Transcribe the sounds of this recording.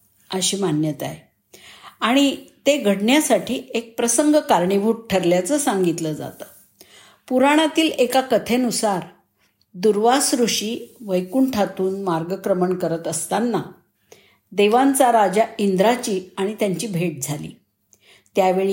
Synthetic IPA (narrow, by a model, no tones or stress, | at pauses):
əɕiːmanjət̪a̰j | aɽ̃it̪eɡʱəɽɳjasaʈʰiːek̚pɾəsəŋɡkaɾɳibʱuʈ̚ʈʰːəɾljat͡səsãŋɡit̪ləd͡za̰t̪ə̥ | puɾaɽ̃at̪iːlekakət̪ʰenusaɾ | d̪uɾʋasɾuɕiːʋəjkuːɳʈʰat̪uːnmaɾɡəkɾəməɳkəɾət̪əst̪anːa | d̪eʋãnt͡saɾad͡ʑaind̪ɾat͡ɕiːaɽ̃it̪jaɲt͡ɕiːbʱeʈ̚d͡zʱalḭː | t̪jaʋeɭi